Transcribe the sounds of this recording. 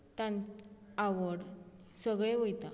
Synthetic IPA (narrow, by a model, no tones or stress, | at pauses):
t̪ãnaʋəɽ | səɡɭẽʋojt̪a